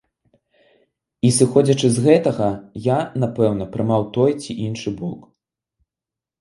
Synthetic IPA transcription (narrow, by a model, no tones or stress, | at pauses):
isɨxɔd͡zʲɐt͡ʂɨzɣɛt̪ɐɣɐjanapɛwn̪ɐpɾɨmawt̪ɔjt͡sʲiʔinʂɨbɔ̰k